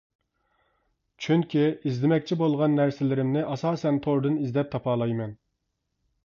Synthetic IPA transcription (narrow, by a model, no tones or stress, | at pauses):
t͡ʃʰyŋkʲiizlɪmɛk̚ʲt͡ʃʰibolˠʁɑnːæɾsɪlɪɾɪmnɪʔɑsɑːsɛnt̪ʰoɾd̪ɨnizd̪ɛp̚t̪ʰɑpʰɑːlˠɑjmɛn